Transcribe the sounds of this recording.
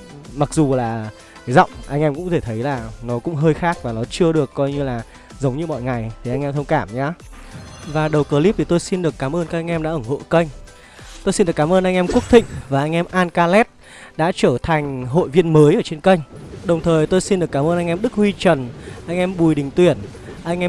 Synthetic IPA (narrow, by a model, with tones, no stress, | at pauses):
ma˨˩k̚zu˨˩laː˨˩ | ka˨˦jzɔ̰˧˨wŋ͡mʔa˧jŋʔɛ˧mkʊ̰˧˥t̪ʰe˧˩t̪ʰə˨˦jlaː˨˩nɔ˨˦kʊ̰˧˥ŋ͡mɦəː˧jxaː˦˥k̚vaː˨˩nɔ˨˦t͡ɕɨ˧əɗɨ˨˩əkːɔ˧jɲɨ˧laː˨˩ | zə˨˦wŋ͡mɲɨ˧mɔ̰˧˨jŋa˨˩jt̪ʰi˨ʔa˧jŋʔɛ˧mt̪ʰə˧ŋ͡mkaː˧˩mɲaː˨˦ | vaː˨˩ɗə˨˩wkəː˨˦li˦˥p̚t̪i˨˩t̪o˧jsi˧nɗɨ˨˩əkːaː˨˦mʔəː˧nkaː˦˥a˧ŋ̟ʔɛ˧mɗa̰ː˧˥ʔə˧˩ŋho̰˧˨kə˧jŋ̟ | t̪o˧jsi˧nɗɨ˨˩əkːaː˨˦mʔəː˧nʔa˧jŋ̟ʔɛ˧mku˦˥k̚t̪ḭ̈˧˨ŋ̟vaː˨˩ʔa˧jŋ̟ʔɛ˧mʔaː˧nkaː˧lɛ˦˥t̚ | ɗa̰ː˧˥t͡ɕəː˧˩t̪ʰa˨˩jŋ̟ɦo̰˧˨jvi˧ənməː˨˦jʔəː˧˩t͡ɕe˧nkə˧jŋ̟ɗə˨˩wŋ͡mt̪ʰəː˨˩jt̪o˧jsi˧nɗɨ˨˩əkːaː˨˦mʔəː˧nʔa˧ŋ̟ʔɛ˧mɗɨ˦˥k̚hwi˧t͡ɕə˨˩nʔa˧jŋ̟ʔɛ˧mɓu˨˩jɗï˨˩ŋ̟t̪wi˨˧˩ən | ʔa˧jŋ̟ʔɛ˧